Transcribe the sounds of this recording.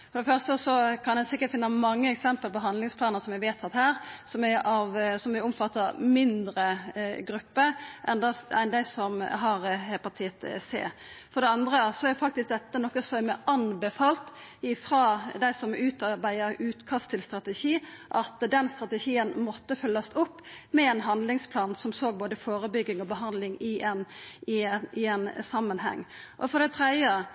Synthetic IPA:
fɔd̪ɛfœʁst̪əsɔkʰɑnd̪ɛnsɪkːəɾtfɪnːəmɑŋːəɛksɛmpəlpɔɦɑnd̪lɪŋspʰlɑːnəsɔmæʋeːt̪ʰɑt̪hæːɾsɔmæɑʋsɔmʋɪɔmfɑt̪ːəmɪnd̪ɾəɡɾʉpːəʔɛnd̪ɑænd̪æɪsɔmɦɑɾhɛːpʰɑt̪ʰiːət̪sḛːfɔɖ̪ɛɑnd̪ɾəsɔæɾfɑk̚t̪ɪsk̚d̪ɛt̪ːənɔkːəsɔɛmɛɑnbəfɑːlt̪ɪfɾɑːd̪æɪsɔmʉːt̪ɑbæɪəɾʉːt̪kʰɑst̪ʰɪlst̪ɾɑt̪ɛʃiː | ʔɑt̪d̪ɛnst̪ʁɑt̪əʃiːənmɔt̪ːəfœlːɑsʊpːmɛɛnɦɑnd̪lɪŋspʰlɑːnsɔmsoːɡ̚boːd̪əfoːɾəbʏɡːɪŋɔbəɦɑnd̪lɪŋɪʔɛnɪɪɛnsɑmːənɦɛ̰ŋːʔɔfɔd̪ɛɪt̪ʰɾɛd̪jə

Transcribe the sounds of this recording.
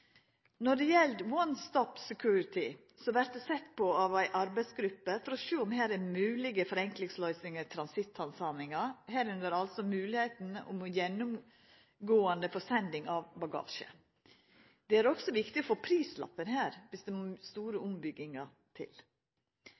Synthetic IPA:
nɔɖɛjɛlt̪wɔnst̪ɔpsɛkʰjʉːɾɪt̪ɪ | sɔʋæɾt̪̚d̪ɛsɛt̪ːpɔɑʋæɪʔɑɾbæɪsɡɾʉpːəfɔɾɔʃøːʊmɦæːɾɛmʉːlɪɡəfɔɾɛŋklɪŋslœʏsnɪŋəɾt̪ʰɾɑnsɪt̪ʰːɑnsɑmɪŋɑhæːɾʉnd̪əɾɑlsɔmʉːlɪheɪt̪n̩ʊ̰mɔjɛnːʊm | ɡoːɑnd̪əfɔsɛnd̪ɪŋɑʋbɑɡɑ̰ːʃə̰ | d̪̥ɛæɾɔksɔʋɪkt̪ɪɔofoːpʰɾiːslɑ̰pːənɦæːɾʋɪsd̪ɛmst̪uːɾəʊmbʏɡːɪŋɑ | t̪ʰɪ̰l

